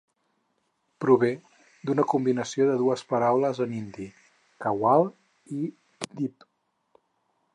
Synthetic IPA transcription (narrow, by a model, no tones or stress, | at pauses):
pɾuβ̞e | d̪unəkumbinəsioðəðuəspəɾawləzənind̪i | kəwalˠ | i | d̪ip